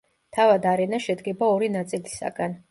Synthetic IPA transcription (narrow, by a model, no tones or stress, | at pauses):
t̪ʰavad̪aɾɛnaʃɛd̪ɡɛbaɔɾinat̪sʼilisa̰ɡan